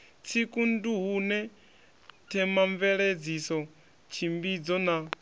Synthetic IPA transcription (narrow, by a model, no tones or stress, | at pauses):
t͡sʰikʼunduɦunɛ | tʰɛmaɱvɛɺed͡zisɔ | t͡ʃʰimbid͡zɔna